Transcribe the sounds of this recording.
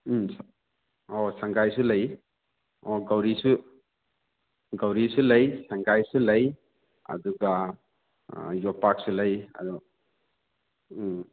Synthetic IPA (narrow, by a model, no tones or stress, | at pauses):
s | ɔsaŋɡajsulɐj | ɔɡawɾisu | ɡawɾisulɐjsaŋɡajsulɐj | ɐ̰duɡa | jɔpak̚sulɐja̰dɔ